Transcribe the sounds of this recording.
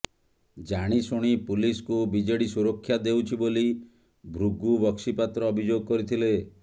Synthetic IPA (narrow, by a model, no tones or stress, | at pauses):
d͡ʒaɽ̃isuɽ̃ipuliskubid͡ʒeɽisuɾɔkʰːjad̪ewt͡ʃʰiboli | bʱɾuɡubɔksipat̪ɾɔːbʱid͡ʒoɡɔkɔɾit̪ʰile